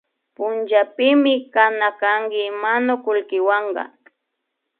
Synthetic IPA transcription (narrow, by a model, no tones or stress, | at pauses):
pʊnt͡ʃapɪmɪkanakaŋkɪmanʊkʊlkɪwɑɴɢɑ̰